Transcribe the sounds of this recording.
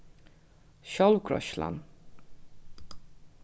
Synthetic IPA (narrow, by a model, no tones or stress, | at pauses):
ʃɔlukʰɾɔ̰ʃla̰n